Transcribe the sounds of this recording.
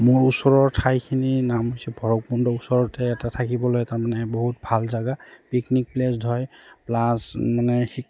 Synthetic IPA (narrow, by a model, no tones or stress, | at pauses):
mʊɹusɔɹɔɹtʰajkʰininamɦojsɛbʱɔɹɔk̚pundɔusɔɹɔɹtɛːtatʰakibɔlojtaɹmanɛboɦutbʱalzaɡapiknik̚plesdʱɔjplasmanɛxi